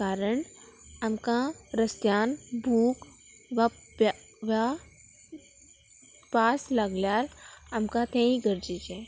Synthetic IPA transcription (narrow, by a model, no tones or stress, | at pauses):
aːɾəɳ | əmkãɾəst̪jaːnbʱuːk | ʋa | ʋa | paːsləɡljaːɾəmkãt̪ʰẽĩɡəɾd͡ʒid͡ʒe